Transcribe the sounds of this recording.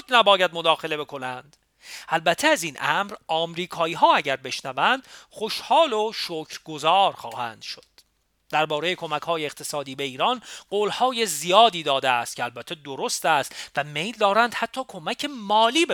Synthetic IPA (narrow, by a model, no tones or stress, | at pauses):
d̪næbɒːjæd̪̚mod̪ɒːxe̞le̞be̞kʰo̞nænd̪̥ | ʔælbæt̪ʰːeæziːnʔæmɾɒːmɾiːkʰɒːiːɦɒːæɟæɾbe̞ʃnævænd̪̥χo̞ʃhɒːloʃocʰɾɡozɒːɾxɒːhæ̰ːnd̪̥ʃod̥̪ː | æɾbɒːɾe̞je̞kʰo̞mækhɒːjeːqt̪ʰe̞sɒːd̪iːbe̞iːɾɒːnɢoːlhɒːje̞zijɒːd̪iːd̪ɒːd̪eæst̪̚cʰeælbæt̪ʰːed̪oɾo̞st̪æst̪væme̞jld̪ɒːɾænd̪̥hæt̪ʰːɒːkʰo̞mæcʰe̞mɒːliːbe